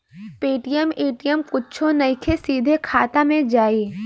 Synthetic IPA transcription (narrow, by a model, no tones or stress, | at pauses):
peːʈijəmeːʈijəmkʊtːt͡ʃʰonɐɪkʰesiːd̪ʱekʰaːt̪amẽd͡ʒaːiː